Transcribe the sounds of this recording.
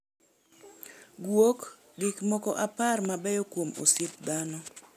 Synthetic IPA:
ɡwok | dikmɔkɔʔaparmabɛjɔkwomo̰sɪp̚d̪anɔ

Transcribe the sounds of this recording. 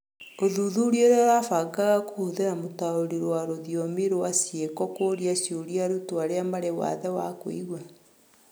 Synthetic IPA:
oðuðuɾioɾaɾafaɡaɣakohoðenamotaoɾiɾowaɾoðijɔmeɾowasiekɔkoːɾiasjoɾiaɾutoaɾeamaɾewa̰ðɛwako̰ḭɣwa

